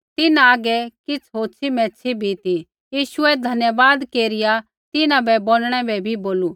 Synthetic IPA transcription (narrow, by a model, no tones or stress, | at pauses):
t̪ɪnãaɡɛkɪt͡sʰɦoːt͡ʃʰimɛ̃ːt͡ʃʰibʱit̪i | jiːʃʊɛd̪ʱɐnjəʋaːd̪keːɾɪja | t̪ɪnãbɛboːɽɽ̃ɛbɛbʱiboːlu